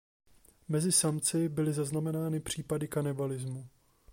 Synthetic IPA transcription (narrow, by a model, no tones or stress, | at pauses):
mɛzɪsamt͡sɪbɪlɪzaznamɛnaːnɪpr̝̥iːpadɪkanɪbalɪzmu